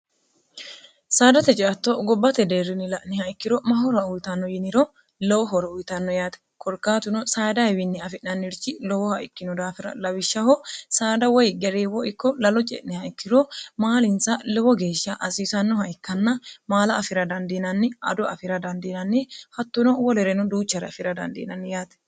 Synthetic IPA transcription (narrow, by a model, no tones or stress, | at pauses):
saːd̪ɐt̪ɛt͡ʃʼɪɐt̪ːoɡɔbːɐt̪ɛd̪eːrːɪnɪlɐʔnɪhɐɪkːɪɾɔmɐɦɔɾɐʊjt̪ɐnːɔjɪnɪɾɔ | lɔwɔɦɔɾɔʊjt̪ɐnːɔjaːt̪ɛ̥ | kʰɔɾkaːt̪ʊnɔsaːd̪ɐɪwɪnːɪɐfɪʔnɐnːɪɾt͡ʃɪlɔwɔhɐʔɪkːɪnʊd̪aːfɪɾɐ̰lɐwɪʃːɐhɔsaːd̪ɐwɔjɡɛɾeːwɔɪkːɔlɐlɔt͡ʃʼɛ̰ʔnɪhɐɪkːɪɾɔmaːlɪnsɐlɔwɔɡe̞ːʃːɐʔɐsiːsɐnːɔhɐɪkːɐnːɐmaːlɐːfɪɾɐd̪ɐnd̪inɐnːɪɐ̰d̪ʊɐ̰fɪɾɐd̪ɐnd̪ɪnɐnːɪhɐt̪ːʊnɔwɔlɛɾɛnʊd̪uːt͡ʃːɐɾɛ̰ɐfɪɾɐd̪ɐ̰nd̪ḭːnɐnːɪjaːt̪ɛ̥